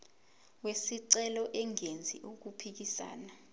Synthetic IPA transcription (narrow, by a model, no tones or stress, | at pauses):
wesiǀɛlɔʔɛŋend͡zʱḭʔuk̬upʰik̬isa̰ːna